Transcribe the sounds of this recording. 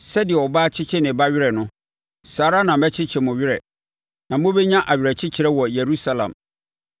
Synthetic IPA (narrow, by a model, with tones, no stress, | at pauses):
sɛ˦dɪ˨ɛ˨ɔ˨baː˦t͡ɕʰɪ˦t͡ɕʰɛ˦nɪ̃˨ba˦ɥɪ˦ɾɛ˨nʊ̃˦ | saː˨ɾa˦nã˨mmɛ˦t͡ɕʰɪ˦t͡ɕʰɛ˨mʊ̃˨ɥɪ˦ɾɛ˨ | nã˨mʊ̃˦bɛ˦ɲã˦ʔa˨ɥɪ˨ɾɛ˨t͡ɕʰɪ˦t͡ɕʰɪ˨ɾɛ˦wɔ˨je˨ɾu˦sa˦lã̰˨m